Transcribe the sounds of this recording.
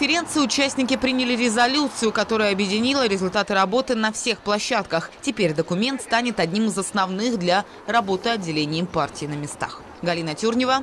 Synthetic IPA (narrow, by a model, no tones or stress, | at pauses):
fʲɪɾʲe̞nt̪sɨɪʊt͡ɕæsʲtʲnʲɪkʲɪpɾʲinʲɪlʲɪɾʲɪzɐlʲut̪sɨjʊkɐt̪o̞ɾʊjəɐbjɪdʲɪnʲilˠəɾʲɪzʊlʲt̪at̪ɨɾɐbo̞t̪ɨnɐfsʲe̞xplˠɐɕːat̪kəxtʲɪpʲeɾʲd̪əkʊmʲe̞nt̪st̪anʲɪt̪ɐdʲnʲimɨzɐsnɐvnɨxd̪lʲɐ | rɐbo̞t̪ɨɐdʲːɪlʲenʲɪjɪmpartʲɪːnəmʲɪst̪a̰x | ɡɐlʲinətʲurnʲɪvə